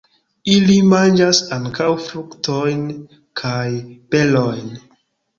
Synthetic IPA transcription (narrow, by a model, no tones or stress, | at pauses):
ilimand͡ʒasaŋkʰawfɾuktojn | kʰajpe̞lojn